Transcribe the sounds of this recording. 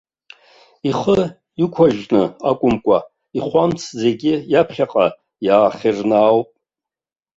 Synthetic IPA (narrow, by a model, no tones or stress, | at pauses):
iχə | ikʷʰaʒnɨakʷʼʊmkʷʼa | iχʷamt͡sʰd͡ze̞ɡʲɪjapʰχʲaqʼa | jaːχʲirnaːwpʼ